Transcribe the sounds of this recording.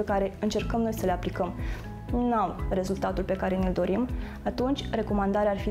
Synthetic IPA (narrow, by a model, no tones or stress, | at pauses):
ekaɾe̞ɨnt͡ʃe̞rkəmno̞jsəleaplikəm | nawre̞zult̪at̪ulpe̞kaɾe̞nild̪o̞ɾim | at̪unt͡ʃʲre̞ko̞mand̪aɾearfi